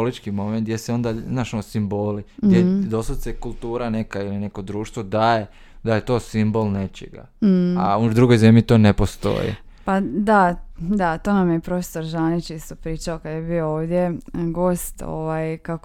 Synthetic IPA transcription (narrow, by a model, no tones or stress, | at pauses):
olit͡ʃkimo̞ment̪d̪ʲjeseo̞nd̪aznaʃoosimboːliɡd̪jed̪o̞st̪ad̪sekulˠt̪uːɾanekailine̞ko̞d̪ɾuːʃt̪ʋo̞d̪aje | d̪ajet̪o̞ːsimbo̞lnet͡ʃḛɡa̰a̰ud̪ɾuɡo̞jzemʎit̪oːnepost̪o̞̰jḭ | pad̪ad̪at̪o̞ːnamjepɾo̞fe̥so̞ɾʒanit͡ʃist̪opɾiːt͡ʃaokad̪jebiooːʋd̪ʲje̞ɡo̞ːst̪o̰ʋajkak